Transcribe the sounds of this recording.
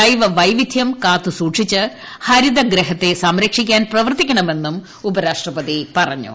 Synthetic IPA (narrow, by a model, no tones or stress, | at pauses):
ɐjʋɐʋɐjʋid̪ʱjɐmkaːt̪ːusuːʈʂit͡ɕːɨ | hɐɾid̪ɐɡɾeɦɐt̪ːe̞sɐmɾɐkʂikʲːaːnprɐʋɐrt̪ikʲːɐɳɐme̞nːum | ubɐɾaːʂʈrɐpɐðipɐrɐɲːṵ